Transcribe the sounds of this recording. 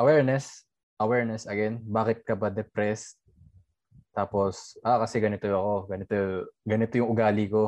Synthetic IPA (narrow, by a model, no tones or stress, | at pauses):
ʔɐwɛɹnɛs | ʔɐwɛɹnɛsʔɐɡɛnbaːkɪt̪̚kɐbɐd̪ɛpɾɛs | t̪aːpo̞sʔakɐsɛɡɐnɪt̪oɐko̞ɡɐnɪt̪oɡɐnɪt̪ojʊŋʔʊɡaːliko̞